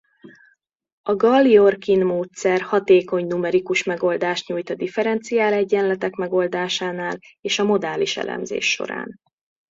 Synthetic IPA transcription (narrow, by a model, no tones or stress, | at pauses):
ɒɡɒlːiorkinmoːt̪sɛrhɒt̪eːko̞ɲnumɛɾikuʃmɛɡo̞ld̪aːʃt̪ɲuːjt̪ɒd̪ifɛɾɛnt̪sijaːlɛɟːɛnlɛt̪ɛkmɛɡo̞ld̪aːʃaːnaːleːʃɒmo̞d̪aːliʃɛ̰lɛ̰mzḛːʃːo̞̰ɾa̰ːn